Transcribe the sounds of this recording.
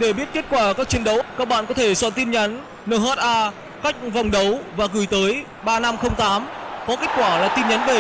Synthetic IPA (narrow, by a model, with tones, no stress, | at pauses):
ɗe˧˩ɓi˦˥ət̚ke˦˥t̚kwaː˧˩kaː˦˥k̚t͡ɕi˨˦ənɗə˨˦wkaː˦˥k̚ɓa̰ː˧˨nkɔ˨˦t̪ʰe˧˩swə̰˧˨nt̪i˧nɲa˨˦nː | əː˧˩ɦaː˦˥t̚ʔaː˧ | ka˦˥k̚va˨˩wŋ͡mɗə˨˦wvaː˨˩ɣɨ˧˩jt̪əː˨˦j | ɓaː˧na˧mxə˧wŋ͡mt̪aː˨˦mkɔ˨˦ke˦˥t̚kwaː˧˩laː˨˩t̪i˧nɲa˨˦nve˧˩